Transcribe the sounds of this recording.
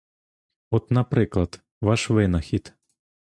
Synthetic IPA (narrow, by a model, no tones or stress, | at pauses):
ɔt̪nɐpɾɪklˠɐt̪ | ʋɑʃʋɪnɐxʲit̪